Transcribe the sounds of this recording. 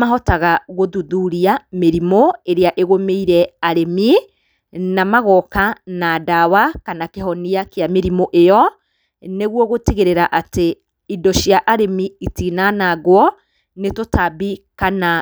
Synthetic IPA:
maɦɔtaɣaɣoðuðuɾiameɾimoeɾeaʔeɣomeiɾɛaɾemi | namaɣɔkanadawakanakeɦɔniakjameɾimoʔejɔ | neɣwɔɣotiɣeɾeɾaʔate | idɔʃjaʔaɾemiitinanaɣwɔ | netotabikana

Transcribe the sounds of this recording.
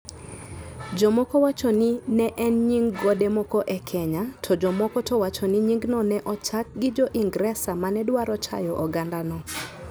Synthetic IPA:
d͡ʒɔmɔkɔwat͡ʃɔninɛʔɛnɲiŋɡɡodemɔkɔʔɛkʰɛɲatʰɔd͡ʒɔmɔkɔtʰɔwat͡ʃɔniɲiŋɡnɔnɛʔɔt͡ʃak̚ɡɪd͡ʒɔʔiŋɡɾɛsamanɛdwaɾɔt͡ʃa̰jɔʔɔɡandanɔ

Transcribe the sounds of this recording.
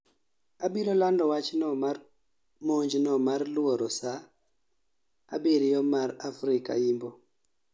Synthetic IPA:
abilolandɔwat͡ʃnɔmar | moɲd͡ʒnɔmarlwoɾɔsa | a̰beɾjɔmaɾafɾɪka̰imbɔ

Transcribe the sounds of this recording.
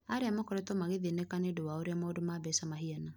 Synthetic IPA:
aɾeamakoɾetɔmaɣeðinekanedowaoɾeamaodomaβɛsamaɦiana

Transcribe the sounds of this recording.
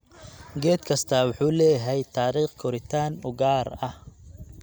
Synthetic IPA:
ɡɛːd̪kʰɐst̪ʰɐwʊħuːlɛːjɦɛjt̪ʰaːɾiːχkʰɔɾɪt̪ʰaːnʊɡaːɾɐh

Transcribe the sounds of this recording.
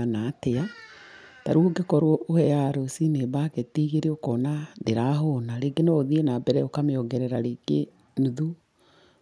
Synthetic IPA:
anatea | taɾuoɡekɔɾwɔʔohɛjaɾosinebaketiːɣeɾeokɔnandeɾaɦonaɾeɡenooðienabɛɾɛokameɔɡɛɾɛɾaɾeɡ̥e | nuðu

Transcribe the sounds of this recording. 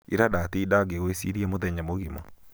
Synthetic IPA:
ḭɾadatidaɡeɣoesiɾiamoðɛɲamoɣimɔ̰

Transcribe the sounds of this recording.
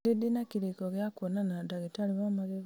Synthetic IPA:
idinakiɾikoɣjakwonanadaɣitaliβamaɣeɣ

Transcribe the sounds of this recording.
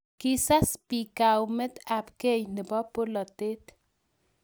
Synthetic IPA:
kisaspikawmet̪apkejnɪbɔpolɔt̪et̪

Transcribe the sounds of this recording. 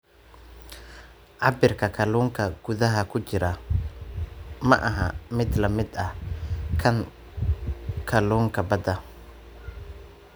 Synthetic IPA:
ʕɑbɪrkʰɐkʰɐluːŋkʰɐɡ̥ʊðɐɦɐkʰʊt͡ʃɪɾɐ | mɐʔɐɦɐmɪd̪lɐmɪd̪ɐkʰɐn | kʰɐluːŋkʰɐbɐd̪ɐ

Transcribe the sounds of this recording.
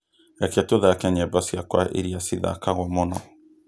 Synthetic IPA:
ɛkɛtoðakɛɲɛbasiakwa̰ʔḛɾiasiða̰kaɣɔmɔnɔ

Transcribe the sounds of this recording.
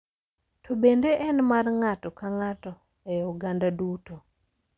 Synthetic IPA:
tʰobendeʔɛnmarŋatɔkaŋatɔ | ɛoɡandaduto

